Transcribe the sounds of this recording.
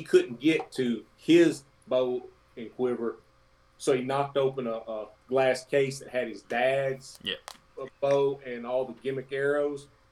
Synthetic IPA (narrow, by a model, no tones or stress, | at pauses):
ikʰʊdⁿn̩ɡ̥ɛtʰɨ | ɪz | boʊ | ɨ̃nkʰw̥ɪvə˞ | soʊinɑk̚toʊpə̃nəʔəɡ̥læskʰeɪsðɨt̚hɨɾ̚ɨzdædz̥ | b̥oʊɨ̃nɔlˠðəɡɪ̃mɨkɛɹoʊz̥